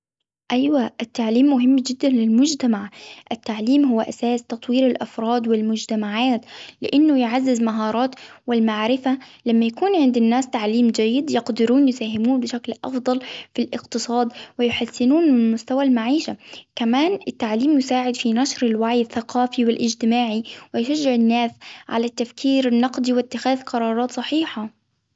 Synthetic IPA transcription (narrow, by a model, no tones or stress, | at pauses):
ʔajwaʔɪt̪ːaʕliːmːʊɦɪmːd͡ʒɪd̪ːanlɪlmʊd͡ʒt̪amaʕʔɪt̪ːaʕliːmɦʊwːaʔasaːst̪ɑt̪ˤwiːɾɪlʔafɾˤɑːd̪wɪlmʊd͡ʒt̪amaʕaːt̪lɪ̰ʔanːʊjʕazːɪzmaɦɑːɾˤɑːt̪wɪlmaʕɾɪfalamːajakuːnʕɪnd̪ɪnːaːst̪aʕliːmd͡ʒajːɪd̪jɑqd̪ɪɾuːnjɪsaːɦɪmuːnbɪʃaklʔɑ̰fd̪ˤɑlfilʔɪqt̪ɨsˤɑːd̪wɪjħasːɪnuːnmɪmʊst̪awalmaʕiːʃakamaːnɪt̪ːaʕliːmjʊsaːʕɪd̪finaʃɾɪlwaʕjaθːaqʰɑːfiwɪlʔɪd͡ʒt̪ɪmaːʕiwɪjʃad͡ʒːɪʕɪnːaːsʕa̰lat̪ːafkʰiːɾɪnːɑqd̪iwɪt̪ːɪxaːðqɑɾˤɑːɾˤɑːt̪sˤɑħiːħa